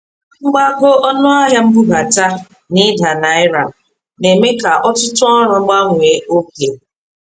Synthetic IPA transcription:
ŋ͡m̩˦ɡ͡ba˦ɡo˦ɔ˦nʊ˦a˦ɦja˦m̩˦bu˦ba˨ta˦ | nɪ˦da˨na˨ɪ˦ɾa˨ | ne˨me˦ka˨ʔɔ˦tʊ˦tʊ˦ɔ˦ɾʊ˨ŋ͡m̩˦ɡ͡ba˦ŋʷʊ˨e˨o˦ke˨

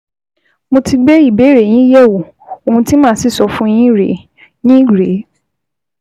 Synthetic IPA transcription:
mo˧ti˧ɡ͡be˦i˦˨be˨˦ɾe˨j̃ĩ˦jɛ˦˨wu˨ | o˨hũ˧ti˦mãː˦si˦˨sɔ˨fũ˦j̃ĩ˦ɾḛ˨˦ | nĩ˦ɾe˨˦

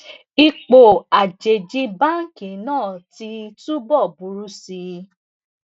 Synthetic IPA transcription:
i˧k͡po˨a˨d͡ʒe˨d͡ʒi˧˦ba˦˨ŋ̩˦kĩ˨˦nãː˦˨ti˧tu˦bɔ˦˨bu˨˦ɾu˦si˧˦

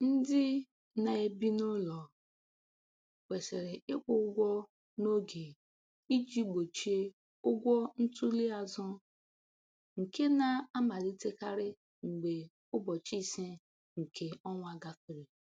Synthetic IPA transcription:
n̩˦dɪ˦ | na˨e˦bi˦nʊ˦lɔ˨ | we˨se˨ɾe˨ɪ˦k͡pʊ˦ʊ˦ɡʷɔ˦ | no˦ɡe˨ | i˦d͡ʒi˦ɡ͡bo˨t͡ʃi˦e˦ | ʊ˦ɡʷɔ˦n̩˦tu˦li˦a˨zʊ˦ | ŋ̩˨ke˦na˨a˦ma˨li˦te˦ka˦ɾɪ˦ | ŋ͡m̩˨ɡ͡be˨ | ʊ˦bɔ˨t͡ʃi˦se˦ | ŋ̩˨kʰe˨ɔ˦ŋʷa˦ɡa˦fi˨ɾi˨

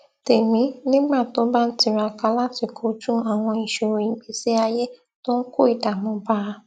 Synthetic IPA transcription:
te˨mĩ˨˦nĩ˦ɡ͡ba˦˨to˦ba˦n̩˦ti˦˨ɾa˧ka˧˦la˦ti˦˨kʰo˨˦d͡ʒũ˦a˦˨w̃ɔ̃˧i˨ʃo˨ɾi˨ɡ͡bi˨˦si˦a˧je˦ | to˦n̩˦ko˦˨i˨da˨mɔ̃˨˦ba˦˧

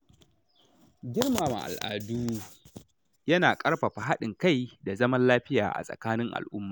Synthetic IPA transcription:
ɡʲɪ˦rmaː˨ma̰˨ʔa̰˨lʔa̰ː˨duː˦ | jɐ˦naː˨kʼɐ˦ɽɸa˨ɸa˨ɦa˦ɗɪ˨ŋka˦˨jda˨zɐ˦mɐ˦nlaː˦ɸɪ˦ja̰ː˨ʔa̰˨sʼɐ̰˨kaː˦nɪ˦ŋʔa̰˨lʔʊ˦mːaː˨

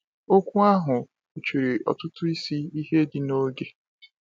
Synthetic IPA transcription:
o˦kʷu˦a˦ɦʊ˨ | u˨t͡ʃi˨ɾi˨ɔ̰˨tʊ˦tʊ˦i˦si˦i˦ɦe˦di˦no˦ɡe˦

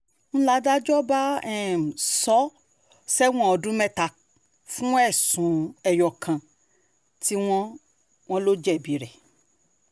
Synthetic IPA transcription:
ñ̩˦la˦da˦d͡ʒɔ˦ba˦ɛ˦˨m̩˨sɔ˦ | sɛ˦w̃ɔ̃˦ɔ˧dũ˦mɛ̃˦ta˧ | fũ˦ɛ˦˨sũ˨˦ɛ˨jɔ˨kʰã˨ | ti˦w̃ɔ̃˦ | w̃ɔ̃˦lo˦d͡ʒɛ˦˨bi˨˦ɾɛ˨

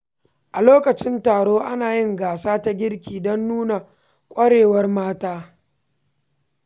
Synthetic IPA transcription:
ʔa˨loː˦kɐ˨t͡ʃɪ˦ntaː˨ɽoː˦ʔa˦naː˨jɪ˦ŋɡaː˨saː˦ta˦ɡʲɪ˦ɽkʲiː˨dɔ˦nːuː˦na˨ | kʷʼɐ˦ɽeː˨wɐ˦rmaː˦taː˦

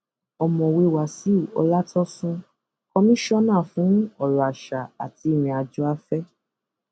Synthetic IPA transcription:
ɔ˨mɔ̃˨we˧wa˨si˨˦ɔ̰˧la˦tɔ˦sũ˦ | kɔ˧mĩ˦ʃɔ˦nãː˦˨fũ˨˦ɔ˦˨lɔ˨a˨ʃa˨a̰˨ti˧i˦˨mĩ˧a˨d͡ʒɔ˦a˧˦fɛ˦

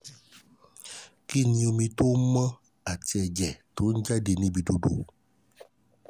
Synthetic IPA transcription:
ki˦ni˨o˨mi˨to˦mə˦ | a˨t͡ʃɛ˨d͡ʒɛ˨to˦n̩˦d͡ʒa˦de˨nĩ˦bi˨do˨do̰˨

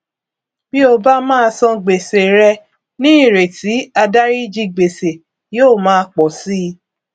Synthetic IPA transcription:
bi˦o˧ba˦mãː˦˧sɔ̃˧ɡ͡be˨se˨ɾɛ˧ | nĩ˦i˦˨ɾe˨ti˨˦a˧da˦ɾi˦d͡ʒi˧ɡ͡be˨se˨ | joː˦˨mãː˦˧k͡pɔ˨si˦˧

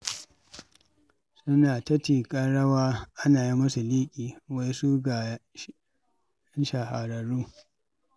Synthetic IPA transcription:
sʊ˦naː˨tɐ˦tiː˨kʼɐ˦ɽɐ˦waː˦ʔa˦naː˨ji˦mʊ˦su˨liː˦kʲʼiː˨wa˦jsu˦ɡa˨ | ɐ˦nʃa˨ɦa˨ɾɐ˨ɾuː˦

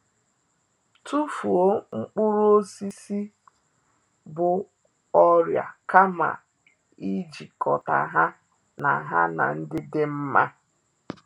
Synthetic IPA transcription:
tu˦fu˨o˦ŋ͡m̩˦k͡pʊ˦ɾu˦o˦si˦si˦ | bʊ˨ | ɔ˦ɾja̰˨ka˦ma̰˨ | i˦d͡ʒi˨kɔ˨ta̰˨ɦa˦ | na˨ɦa̰˦na̰˨n̩˦dɪ˦dɪ˦m̩˦ma˦

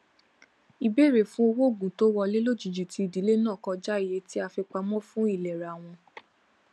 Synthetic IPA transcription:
i˧be˦˨ɾe˦˨fũ˦o˧wo˦˨ɡũ˨to˦wɔ˧le˦lo˦˨d͡ʒi˨d͡ʒu˨ti˧i˨di˨˦le˦nãː˦˨kɔ̃˧d͡ʒa˦i˦˨je˨˦ti˦a˧fi˧k͡pa˧mɔ̃˦fũ˦i˦˨lɛ˨ɾa˨w̃ɔ̃˧

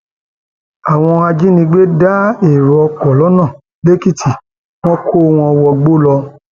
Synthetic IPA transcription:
a˨w̃ɔ̃˧a˧d͡ʒi˦nĩ˧ɡ͡be˦da˦e˨ɾɔ˧kɔ˨lɔ˨˦nã˦˨ | le˦ki˦tʰi˨ | w̃ɔ̃˦kʰo˦˧w̃ɔ̃˧˦ɔ˧wɔ˧ɡ͡bo˦lɔ˧

